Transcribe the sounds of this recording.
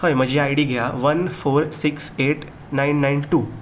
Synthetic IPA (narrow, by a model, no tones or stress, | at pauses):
əjm̤əd͡ʑiajɽiːɡʱjaʋənfoɾsikseʈ | najnːajnʈuː